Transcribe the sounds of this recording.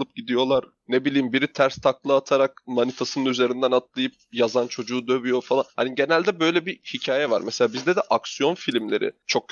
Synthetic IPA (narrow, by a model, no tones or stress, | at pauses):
ɯp̚ɟid̪ijo̞lˠaɾ | nebilʲiːimbiɾit̪ʰæɾst̪ʰaklˠɯat̪ʰaɾak̚manit̪ʰasɯnɯnyze̞ɾind̪ænat̪̚lˠajɯp̚jazant͡ʃʰo̞d͡ʒuːd̪ø̞vyjo̞falˠanha̰niɟe̞nælʲd̪ɛbø̞jlʲɛbihicʰaːjɛva̰ɾmɛselʲaːbizd̪ɛd̪ɛʔaksijo̞nfilʲimlʲe̞̰ɾɪ̰t͡ʃʰo̞k̚